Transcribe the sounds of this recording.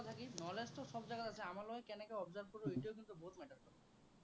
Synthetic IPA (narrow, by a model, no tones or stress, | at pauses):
t̪ʰakinɔlesʈoʃɔbd͡ʑaɡat̪at͡ɕʰeamaloekɛnekeɔbd͡ʑaɾb̚koɾoiʈiokint̪ubot̪mɛʈaɾkɔɾ